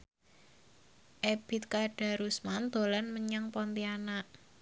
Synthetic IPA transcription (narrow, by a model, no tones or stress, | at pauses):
ʔeb̥ɪ̤t̪̚kaɖ̥a̤ɾusmand̪̥o̤lanməɲaŋpɔnt̪ianaʔ